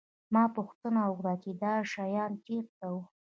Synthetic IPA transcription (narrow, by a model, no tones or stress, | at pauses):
mɑpʊxt̪ənaʊɣd̪ɑt͡ʃed̪ɑʃɑjɑnt̪eɾk̪awu